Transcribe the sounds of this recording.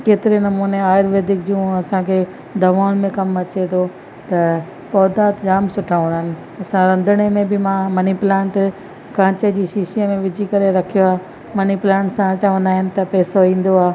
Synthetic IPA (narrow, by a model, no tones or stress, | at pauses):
keːt̪ɪɾenɐmuːneaːɪɾʋeːd̪ɪkd͡ʑũːɐsãkʰe | d̪ʱɐʋaːʊñmẽkɐmɐt͡ɕet̪ʰo | t̪ɐ | pɔːd̪aːt̪d͡ʑaːmsʊʈʰaːʊ̃ɪnɪ̆ | ɐsãɾɐ̃nd̪ʱəɽ̃emẽbɪmãmɐniplɛ̃ːɳʈ | kãːt͡ɕəd͡ʑiːʃiːʃiəmẽʋɪd͡ʑʱikɐɾeɾɐkʰijoaː | mɐniplãːɳʈsãt͡ɕaːʋə̃nd̪aːɦɪnɪ̆t̪ɐpɛːsoĩːn̆d̪oaː